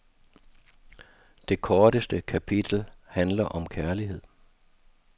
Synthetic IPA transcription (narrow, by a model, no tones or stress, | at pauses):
d̥e̝kʰɒːɾ̥əsd̥əkʰæpʰid̥l̩hænlɐʔɒ̽mkʰæɐliɦe̝ð̰ˠ